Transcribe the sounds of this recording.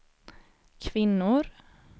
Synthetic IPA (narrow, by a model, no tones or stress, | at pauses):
kʰvɪnːʊɾ